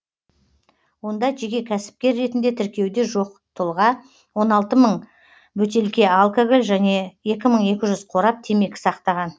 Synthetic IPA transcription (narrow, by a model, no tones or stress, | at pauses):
wo̞nd̪ɑʒe̞kʲe̞kʲʰæsɪ̥p̚kʲe̞ɾːe̞t̪ɪnd̪e̞t̪ʰɪɾkʲe̞wd̪e̞ʒo̞q̚ | t̪ʰʊlˠʁɑ | wo̞nɑlˠt̪əməɴ | bɵt̪elkʲe̞alˠkoɡolʲʒæne̞je̞kʲɪməɴe̞kʲɪʒʏzqʰo̞ɾɑp̚t̪ʰe̞me̞kʲɪ̥sɑqt̪ɑʁɑn